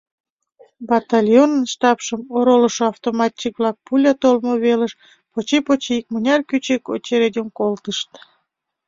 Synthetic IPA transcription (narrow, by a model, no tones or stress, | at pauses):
bɑt̪ɑlʲjonənʃt̪ɑpʃəmoɾoləʃoɑft̪omɑt̪ʲːik̚βlɑk̚pulʲɑt̪olmoβeləʃ | pot͡ɕepot͡ɕeik̚mənʲɑrkyt͡ɕeko̰t͡ɕeɾed̪ʲemkolt̪əʃt̪